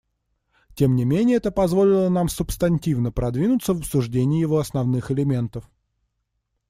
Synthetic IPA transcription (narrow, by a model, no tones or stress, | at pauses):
tʲemnʲɪmʲenʲɪjəɛt̪əpɐzvo̞lʲɪlˠənamsʊpst̪ɐnʲtʲivnəpɾɐd̪vʲinʊt̪səvəpsʊʐdʲenʲɪːjɪvo̞ɐsnɐvnɨxɪlʲɪmʲe̞nt̪əf